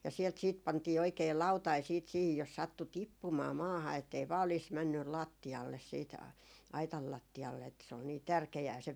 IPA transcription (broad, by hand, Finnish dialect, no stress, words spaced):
jɑ sielt siːt pɑntiː oikei lɑutɑi siːt siːhij jos sɑtːu tipːumɑː mɑːhɑ etːei ʋɑː oliːs mænːyl lɑˑtːiɑlːes siːt ɑitɑl lɑtːiɑlːe etːæ se ol niː tærkeæː se